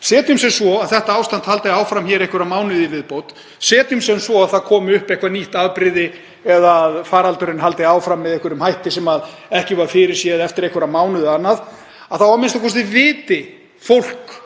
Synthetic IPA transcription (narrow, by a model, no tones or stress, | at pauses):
sɛːt̪ʏmsɛmsvɔaðθɛht̪aaːwst̪ant̪halt̪ɪaːwfɾamçɛːɾejhkvʏɾaðmaːwnʏðivɪðpowt̪ | sɛːt̪ʏmsɛmsvɔaðθaðkʰɔːmʏʏhpejhkvaniht̪aðpɾɪðɪ | ɛðaðfaːɾalt̪ʏɾɪnɦalt̪ɪaːwfɾamːɛðejhkvʏɾʏmhajht̪ɪsɛmað | ɛhcɪvaɾfɪɾɪɾ̥sjɛðɛft̪ɪɾejhkvʏɾamaːwnʏðɪanːað | aðθawvaɾmɪnst̪akʰɔst̪ɪvɪːt̪ɪ | fowl̥k